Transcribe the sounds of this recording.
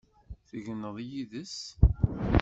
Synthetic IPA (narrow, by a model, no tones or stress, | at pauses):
θəʝənːəðˤjiðəs